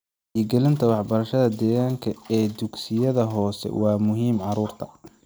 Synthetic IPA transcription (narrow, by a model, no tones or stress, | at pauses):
iɡɛlɪnt̪ʰɐwɑħbɐɾɐʃɐðɐd̪ɛːɣaːŋkʰɐɛːd̪ʊɡsɪjɐðɐɦɔːsɛ̰wɑːmʊɦiːmʕɑɾuːrt̪ʰɐ̥